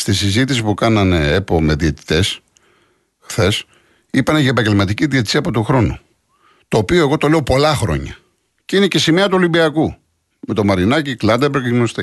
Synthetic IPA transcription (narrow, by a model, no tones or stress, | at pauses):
st̪isizit̪isipukɐnɐneepo̞me̞ðie̞t̪i̥t̪e̞s | xθe̞s | ipɐneʝɐepɐɲɟe̞lmɐt̪iciðiet̪i̥siɐpo̞t̪oxɾo̞nu | t̪o̞ːpio̞e̞ɣo̞t̪o̞le̞o̞po̞lɐxɾo̞̰ɲɐ̰ | ceinece̞simeɐt̪uolimbiɐku | me̞t̪o̞mɐɾinɐciklɐd̪ɐpɾekemonst̪e